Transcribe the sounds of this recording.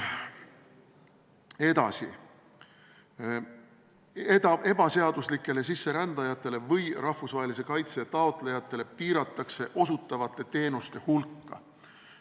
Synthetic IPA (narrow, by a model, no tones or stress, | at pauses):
e̞d̪ɑ̰sḭ | et̪ɑe̞b̥ɑse̞ɑd̪̥uslikːˑe̞le̞s̬isːe̞ɾænd̪̥ɑjɑt̪ːˑe̞le̞vɤjrɑhfusvɑːɦelis̬e̞kɑjt̪set̪ɑot̪ˑle̞jɑt̪ːˑe̞le̞piːɾɑt̪ˑːɑkse̞ʔo̞sut̪ːˑɑvɑt̪ːˑe̞t̪e̞ːnust̪e̞hulkːɑ̰